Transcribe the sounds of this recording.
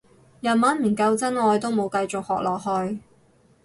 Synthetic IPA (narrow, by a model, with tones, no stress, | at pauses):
jɐ˨nmaː˨˥nm̩˨˩nkɐ˧wt͡sɐ˥nŋɔː˨˧jt̪o˥wmo˨˧wkɐ˧jt͡sʊ˨k̚hɔː˨k̚lɔː˨k̚hɵ˧j